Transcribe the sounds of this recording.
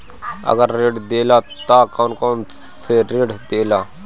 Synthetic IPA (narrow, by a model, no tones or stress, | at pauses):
ə̰ɡəɾːeːɖd̪eːlaː | t̪aːkɔːnkoːn | seɾeːɖd̪eːlaː